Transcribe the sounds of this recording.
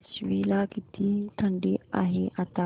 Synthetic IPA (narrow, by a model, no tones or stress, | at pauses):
sʋiːlakit̪it̪ʰɐɳɖea̰ɦeʔɐt̪a